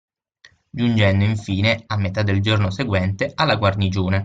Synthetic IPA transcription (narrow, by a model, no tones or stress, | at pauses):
d͡ʒund͡ʒɛnd̪oiɱfiːneamːet̪ad̪ːeld͡ʒornoseɡwɛnt̪ealːaɡwarnid͡ʒuːna